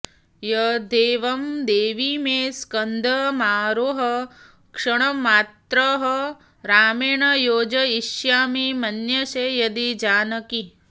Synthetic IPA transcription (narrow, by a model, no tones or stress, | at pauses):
jɐd̪eːʋɐmd̪eːʋimeːskɐnd̪ʱɐmaːɾoːɦɐ | kʂɐɳ̃ɐmaːt̪ɾɐɦɐ | ɾaːmeːɳɐjoːd͡ʒɐiʃjaːmimɐnjɐʃeːjɐd̪id͡ʒaːnɐki